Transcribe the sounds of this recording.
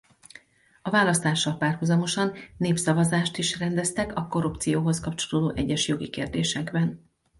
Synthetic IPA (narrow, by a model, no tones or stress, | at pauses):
ɒvaːlɒst̪aːʃːɒlpaːrhuzɒmo̞ʃɒnːeːpsɒvɒzaːʃt̪iʃrɛnd̪ɛst̪ɛkɒko̞ɾupt̪sijoːɦo̞skɒpt͡ʃo̞loːd̪oːʔɛɟːɛʃjo̞ɡikeːrd̪eːʃɛɡbɛn